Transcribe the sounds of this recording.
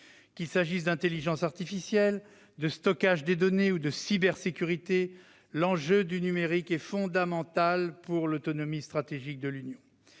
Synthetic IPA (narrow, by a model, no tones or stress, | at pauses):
kʲilsaʒisd̪ɛ̃t̪eliʒɑ̃saʁt̪ifisjɛl | d̪əst̪ɔkaʒd̪ed̪ɔneud̪əsibɛʁsekʲyʁit̪e | lɑ̃ʒød̪ynymeʁikɛfɔ̃d̪amɑ̃t̪alpuʁlot̪ɔnɔmist̪χat̪eʒik̚d̪əlynjɔ̃